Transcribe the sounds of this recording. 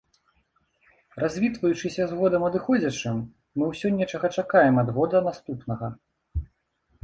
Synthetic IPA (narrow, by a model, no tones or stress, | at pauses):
razʲvʲit̪vɐjut͡ʂɨsʲɐzɣɔd̪ɐmɐd̪ɨxɔd͡zʲɐt͡ʂɨmː | ɨwsʲɔnʲɛt͡ʂɐɣɐt͡ʂakajɛmɐd̪ɣɔd̪ɐnast̪upnɐɣɐ